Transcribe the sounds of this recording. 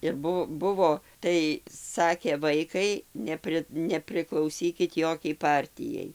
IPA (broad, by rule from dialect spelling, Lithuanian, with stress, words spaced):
ɪr ˈbʊ ˈbʊʋoː ˈtɐɪ ˈsɑːkʲeː ˈʋɐɪkɐɪ ˈnʲæːpʲrʲɪ nʲɛpʲrʲɪklˠɐʊˈsʲiːkʲɪt ˈjoːkʲɛɪ ˈpɐrʲtʲɪjɛɪ